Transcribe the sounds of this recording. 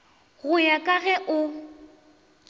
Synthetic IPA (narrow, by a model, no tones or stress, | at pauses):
ɣʊjakʼaɣɛʔʊ